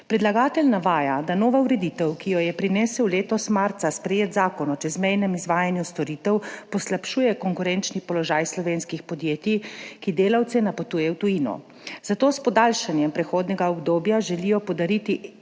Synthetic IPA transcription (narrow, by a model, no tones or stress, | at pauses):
pɾɛd̪laɡaːt̪ɛlnaʋaːjad̪anoːʋauɾɛd̪it̪ɛwkijɔjɛpɾinɛsɛwleːt̪ɔsmaɾt̪saspɾɛjeːt̪zaːkɔnɔt͡ʃɛzmɛjnɛmizʋaːjanjust̪ɔɾit̪ɛwpɔslapʃuːjɛkɔŋkuɾɛnt͡ʃnipɔlɔʒaːjslɔʋeːnskixpɔd̪jeːt̪ikid̪eːlawt̪sɛnapot̪uːjɛwt̪ujinɔ̰ | z̥at̪oːspɔd̪alʃanjɛmpɾɛxoːd̪nɛɡaɔɡd̪oːbjaʒɛlijɔpɔd̪aɾit̪i